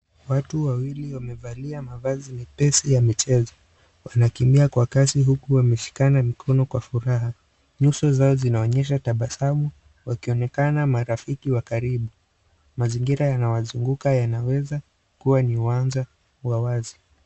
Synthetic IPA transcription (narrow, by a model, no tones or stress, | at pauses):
watuwawiliwamɛvaliamavazinipɛsijamit͡ʃɛzɔ | wanakimbiakwakasiɦukuwamɛʃi̥kanamikʰɔnɔkwafuɾaɦa | ɲusɔzaɔzinaɔɲɛʃ̬ataɓasamu | wakiɔnɛkanamaɾafikiwakaɾiɓu | maziŋɡiɾajanawazuŋɡukajanawɛza | kuwaniuanza | wawazi